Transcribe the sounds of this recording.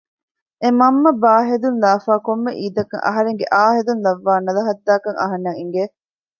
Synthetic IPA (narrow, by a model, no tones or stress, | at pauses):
emɐmːɐbaːɦed̪unlaːfaːkomːeʔiːd̪ɐkɐŋʔɐ̰ɦɐɾeŋɡeʔaːɦed̪unlɐʋːaːnɐlɐɦɐd̪ːaːkɐŋɐ̰ɦɐnːɐŋiŋɡeː